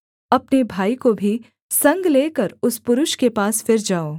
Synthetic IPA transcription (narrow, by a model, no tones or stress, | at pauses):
ɐpnebʱaːikobʱi | sɐ̃ŋɡleːkəɾʊspʊɾʊʃkepaːsfɪɾd͡ʒaːoː